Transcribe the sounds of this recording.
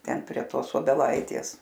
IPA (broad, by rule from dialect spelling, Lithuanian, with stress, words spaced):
ˈtʲɛn pʲrʲiɛ ˈtoːs oːbʲɛˈlˠɐɪtʲeːs